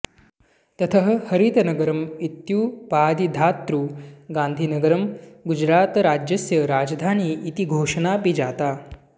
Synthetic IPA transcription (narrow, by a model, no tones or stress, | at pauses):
t̪ɐt̪ʰɐɦ̆hɐɾit̪ɐnɐɡɐɾɐmit̪juːpaːd̪id̪ʱaːt̪ɾuːɡãːnd̪ʱinɐɡɐɾɐmɡud͡ʒɾaːt̪ɾaːd͡ʒjɐsjɐɾaːd͡ʒɐd̪ʱaːniːt̪iɡʱoːʂɐnaːpid͡ʒaːt̪aː